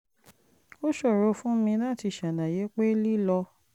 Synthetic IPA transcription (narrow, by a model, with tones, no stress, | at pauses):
o˦ʃɔ˦˨ɾo˨˧˦fũ˦mĩ˧la˦˨ti˧˨ʃa˨nã˨je˨˦k͡pe˦li˦lɔ˧